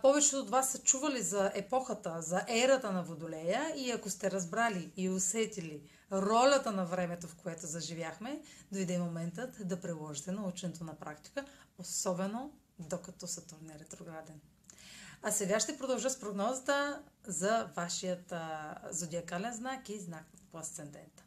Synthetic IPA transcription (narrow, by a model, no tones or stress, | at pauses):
pɔvɛt͡ʃɛot̪vasːɐt͡ʃuvɐlizɐɛpɔxət̪əzɐʔɛɾət̪ənɐvod̪olɛjəiɐkost̪ɛɾɐzbɾaliːosɛt̪ili | ɾɔlʲɐt̪ənɐvɾɛmɛt̪ofkoɛt̪ozɐʒivʲjaxmɛd̪ojd̪ɛmomɛnt̪ət̪d̪ɐpɾilˠɔʒit̪ɛnɐut͡ʃɛnɛt̪onɐpɾakt̪i̥kəosɔbɛno | d̪okɐt̪ɔsɐt̪oɾnɛɾɛt̪ɾoɡɾad̪ɛn | ɐsɛɡaʃt̪ɛpɾod̪ɐlˠʒət̪spɾoɡnɔzət̪əzɐvaʃijət̪zod̪ʲiɐkalɛnznakiznak̚poɐst̪sɛnd̪ɛnt̪